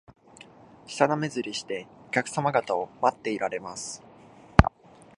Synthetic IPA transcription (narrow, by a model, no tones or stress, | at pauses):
ɕi̥t̪aname̞zɨɾʲiɕi̥t̪e̞okʲakɯ̟̥samaɡat̪ao̞mat̪ːe̞iɾaɾe̞masɨ̥